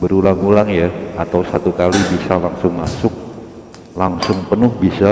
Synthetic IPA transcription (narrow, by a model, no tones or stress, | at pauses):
bəɾulaŋulaŋjaat̪awsat̪ukalibisalaŋsʊŋmasʊk̚ | laŋsʊŋpənʊhbisa